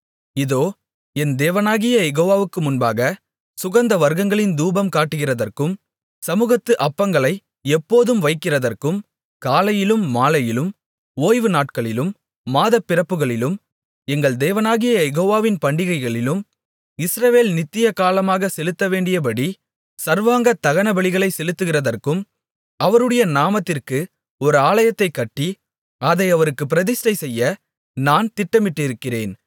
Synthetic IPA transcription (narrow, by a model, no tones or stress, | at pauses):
ɪðoː | ɛnd̪eːʋɐnaːɣɪjɐjɛɣoːʋaːʋɯkːɯmʊnbaːɣɐ | sʊɣɐnd̪ɐʋɐɾɣɐŋɡɐɭɪnd̪uːbɐmkaːʈːɯɣɪrɐðɐrkɯm | sɐmuːɣɐt̪ːɯʔɐpːɐŋɡɐɭɐɪ | ɛpːoːðɯmʋɐɪkːɪrɐðɐrkɯm | kaːlɐjɪlɯmːaːlɐjɪlɯm | oːjʋɯnaːʈ̚kɐɭɪlɯmː | aːðɐpːɪrɐpːɯɣɐɭɪlɯm | ɛŋɡɐɭd̪eːʋɐnaːɣɪjɐjɛɣoːʋaːʋɪnpɐɳɖɪɣɐɪɣɐɭɪlɯm | ɪsɾɐʋeːlnɪt̪ːɪjɐkaːlɐmaːɣɐsɛlɯt̪ːɐʋeːɳɖɪjɐp̬ɐɽi | sɐɾʋaːŋɡɐt̪ːɐɣɐnɐbɐɭɪɣɐɭɐɪsɛlɯt̪ːɯɣɪrɐðɐrkɯm | ɐʋɐɾɯɽɐjɐnaːmɐt̪ːɪrkɯ | ɔɾɯaːlɐjɐt̪ːɐɪkːɐʈːi | ɐðɐɪɐʋɐɾɯkːɯp̬ːɪɾɐðɪsʈɐɪsɛjːɐ | naːnt̪ɪʈːɐmɪʈːɪɾɯkːɪreːn